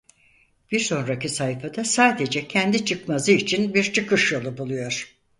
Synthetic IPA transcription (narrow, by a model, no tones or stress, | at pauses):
b̥iɾso̞nɾacisajfad̪asaːd̪e̞d͡ʒɛcʰɛnd̪it͡ʃʰɯkmazɯit͡ʃʰinbiɾt͡ʃʰɯkɯʃjolˠɯbulˠujo̞ɾ̥